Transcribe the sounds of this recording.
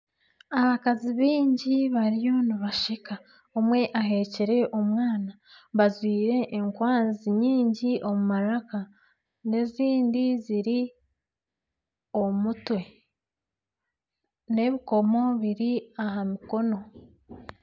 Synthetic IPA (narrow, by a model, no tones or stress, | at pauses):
aβakaziβiːɲɟiβaɾijo̞niβaʃika | omwe̞ʔaɦe̞ceɾe̞ʔomwaːna | βazwiːɾe̞ʔːŋkwaːnziɲiːɲɟiʔo̞mumaɾaka | ne̞ziːndiziɾi | o̞mutwe̞ | ne̞βiko̞mo̞βiɾiaɦamiko̞no̞